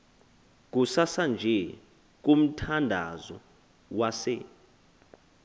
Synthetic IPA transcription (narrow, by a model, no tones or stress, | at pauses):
k̬usasand͡ʒʱɛ | k̬ʼum̩tʰandʱa̰zɔ | wasɛ̰